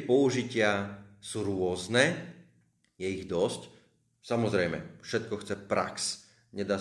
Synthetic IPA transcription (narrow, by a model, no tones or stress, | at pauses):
pɔuʒicɪasuːɾʊɔznɛ | jɛiɣd̪ɔsc | samɔzɾɛjmɛ̰fʃɛt̪̚kɔxt͡sɛpɾa̰ks | ɲɛd̪aː